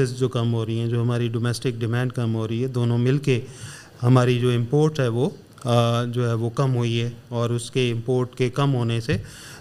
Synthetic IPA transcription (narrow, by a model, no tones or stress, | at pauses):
ɪsd͡ʒoːkɐmɦoːɾɐiɦɛ̃d͡ʒoːɦɐmaːɾiɖoːmɛːsʈɪk̚ɖɪmɛ̃ːɳɖ̚kɐmɦoːɾɐiɦɛd̪oːnõmɪlke | hɐmaːɾid͡ʒoːɪ̃mpoːɾʈɦɛʋoː | d͡ʒoːɦɛʋokɐmɦoːiɦɛːɔːɾʊskeɪ̃mpoːɾʈkekɐmɦoːnese